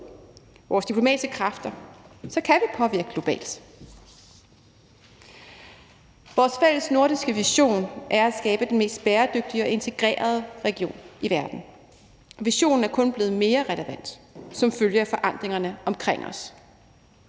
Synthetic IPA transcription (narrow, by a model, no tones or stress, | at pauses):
ʋɒːsd̥ipʰlo̝mɛ̰ːd̥isɡ̥əkʰʁɑ̈fd̥ɐsɒ̽kʰæʋipʰɒ̽ʋiɐɡ̥ə̥lo̝b̥ɛ̰ːld̥ | ʋɒːsfel̰əsno̝ɐɾ̥isɡ̥əʋiɕo̝̰ːnʔæɐæsɡ̥ɛːb̥əd̥enme̝̰ːsd̥̚b̥eːɐd̥øɡ̥̚d̥iɒ̽e̝nt͡sʰe̝ɡ̥ʁɛ̰ːɐð̞ˠəʁɛɡ̥io̝̰ːniʋæɐd̥n̩ | ʋiɕo̝̰ːnn̩æɐkʰɔ̽nb̥le̝ːð̞̩ˠme̝ːɐʁɛləʋæn̰d̥sɒ̽mføljəæfɒ̽ʔɑ̈n̰d̥ʁeŋɐnəʔɒ̽mkʰʁeŋ̰ɒ̽s